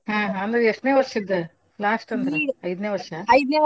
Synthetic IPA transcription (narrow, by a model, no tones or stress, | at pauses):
ɦãːɦaɐnd̪ɐɾeʂʈneːʋɐɾʂɐid̪ːɐ | laːsʈɐnd̪ɾɐɽɐjd̪neːʋɐɾʂɐɐjd̪neː